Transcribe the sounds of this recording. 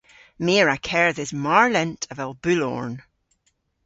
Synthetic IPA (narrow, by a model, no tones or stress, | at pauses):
meɹakʰɛɹðɪzmaɹlˠɛ̃ntʰəvɛlˠbʉlˠɔ̰ɹn